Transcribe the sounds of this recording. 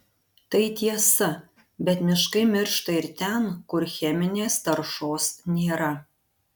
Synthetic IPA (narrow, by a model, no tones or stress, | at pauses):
t̪ɐɪt̪ʲiɛsɐ | bʲɛt̪mʲɪʃkɐɪmʲɪɾʃt̪ɐɪɾt̪ʲɛnkʊɾxʲɛmʲɪnʲeːst̪ɐɾʃoːsnʲeːɾɐ